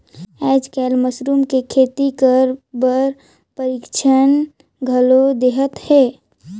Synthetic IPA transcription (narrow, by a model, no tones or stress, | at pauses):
ɛːd͡ʒkɛːlməsɾuːmkekʰeːt̪ikəɾbəɾ | pəɾikt͡ʃʰən | ɡʱəlod̪eɦət̪hɛː